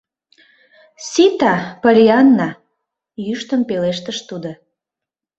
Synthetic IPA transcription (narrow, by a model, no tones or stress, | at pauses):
sit̪ɑpəlʲiɑnːɑ | jyʃt̪əmpeleʃt̪əʃt̪ud̪o